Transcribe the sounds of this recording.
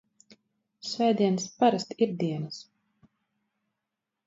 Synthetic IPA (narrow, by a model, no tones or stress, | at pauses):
svɛjd̪iɛnspaɾast̪iɾd̪iɛnas